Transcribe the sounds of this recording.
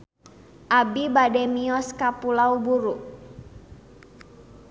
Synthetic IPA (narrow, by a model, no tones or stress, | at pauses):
ʔabibadɛmiɔskapulaubuɾuʔ